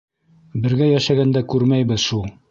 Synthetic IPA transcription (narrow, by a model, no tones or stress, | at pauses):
bɘ̆ɾɡæjæʃæɡænd̪ækʉɾmæjbɘzʃulˠ